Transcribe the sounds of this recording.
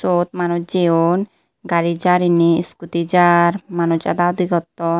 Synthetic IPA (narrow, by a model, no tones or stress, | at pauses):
sot̪manud͡ʒeon | ɡaɾid͡ʒaɾiniskut̪id͡ʒaɾmanut͡ʃa̰d̪aod̪ʱikɔt̪ːɔ